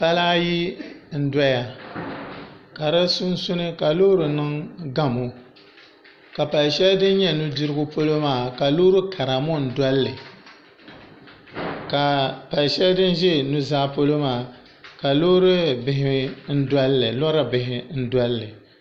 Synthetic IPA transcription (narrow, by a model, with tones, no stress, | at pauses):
pa˦laː˦ji˦n̩˦da˦ja˨ | ka˨ɾɨ˦su˦n˦su˦nɨ˦ka˨lo˦ɾɨ˨nɨ˦ŋɡa˦mo˨ | ka˨pa˨lʃɛ˦ldɨ˦n˦ɲɛ˦nu˦dɨ˦ɾɨ˦ɡʊ˦po˦lo˦maː˦˨ka˨lo˦ɾɨ˦kʰa˨ɾa˨mo˦˨n̩˨da˦lːɨ˨ | ka˨pa˨lʃɛ˦ldɨ˦n˦ʒɛ˦nu˦zaː˦po˦lo˦maː˦˨ | ka˨lo˦ɾɨ˦bɪ˨ɦɪ˦n̩˦da˦lːɨ˨lɔ˦ɾa˦bɪ˨hɪ˨n̩˦dʷa˦lːɨ˨